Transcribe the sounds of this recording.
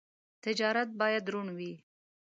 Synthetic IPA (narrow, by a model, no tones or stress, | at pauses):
t̪ɪd͡ʒɑɾat̪̚bɑjad̪ɾuɳwi